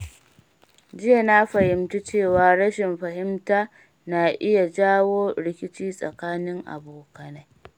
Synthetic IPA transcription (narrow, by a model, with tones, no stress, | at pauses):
d͡ʒɪ˦ja˨na˦ɸɐ˨hɪ˨mtu˦t͡ʃeː˦˨waː˨ɽɐ˦ʃɪ˨mɸɐ˨ɦɪ˦mtaː˦ | na˨ʔɪ˦ja˨d͡ʒaː˦woː˦ɽɪ˦kʲɪ˦t͡ʃiː˦sʼɐ̰˨kaː˦nɪ˦ŋʔa̰˨boː˨kɐ˨na˦j